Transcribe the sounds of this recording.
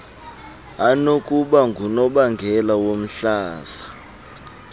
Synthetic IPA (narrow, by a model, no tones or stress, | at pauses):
anokʼuɓaŋɡʱunɔɓaŋɡʱɛlawom̩ɬaːza